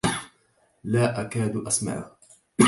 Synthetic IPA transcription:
laːʔakaːd̪ʔasma̰ʕʊ̰h

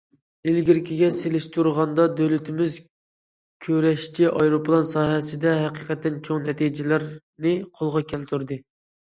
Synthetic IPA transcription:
ɪlɡʲiɾkʲiɡʲɛselɪʃt̪ʰuɾʁɑnd̪ɑd̪ølyt̪ʰɪmɪz | kʲʰøɾɛʃt͡ʃʰiʔɑjɾopʰlˠɑnsɑːɦɛsɪd̪ɛɦɛqiqɛt̪ːɪnt͡ʃʰoŋnɛt̪id͡ʒɪlæɾ | nɪqʰolˠʁɑkʲʰɛlt̪ʰuɾd̪ɨ

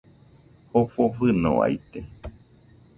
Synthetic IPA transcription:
hofofɨnõ̰a̰jt̪e

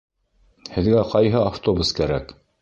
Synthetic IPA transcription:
hɘ̆ðɡæqɑjɦɤaft̪o̞buskæɾæ̰k

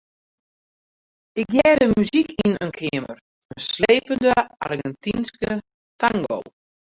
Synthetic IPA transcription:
ɪk̚jɛːdəmyzikinənkʰɪəmə̰r | əsleːpəndəa̰rɡɛntinskə | taŋɡo̰lˠ

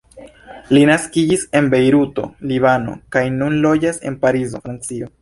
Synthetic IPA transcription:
linaskid͡ʒise̞nbe̞jɾuto̞̰liβano̞̰kajnunlo̞d͡ʒase̞̰npaɾizo̞̰fɾant͡sio̞

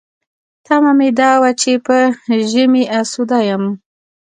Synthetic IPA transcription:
t̪amamed̪ɑwat͡ʃepəʒəmiʔasud̪ɑjəm

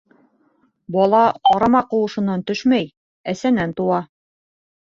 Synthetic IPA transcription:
bɒlˠɑqɒɾɑmɑqŏlˠɤ̆ʃɤ̆nɑnt̪ɵʃmæj | æsænænt̪uwɑ

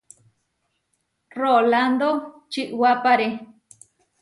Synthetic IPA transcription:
roland̪o | t͡ʃiʔwapaɾe

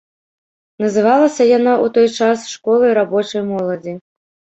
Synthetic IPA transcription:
nɐzɨvalˠɐsʲɐjanaʔut̪ɔjt͡ʂasʂkɔlˠɐjɾabɔt͡ʂɐjmɔlˠɐd͡zʲi

